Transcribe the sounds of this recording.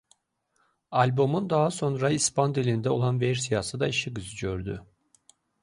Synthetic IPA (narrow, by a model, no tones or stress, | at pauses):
ɑlʲbo̞mund̪ɑɦɑso̞nɾɑispɑnd̪ilind̪ɛo̞lˠɑnveɾsijɑsɯd̪ɑiʃiɡɯzɯɟø̞ɾd̪y̰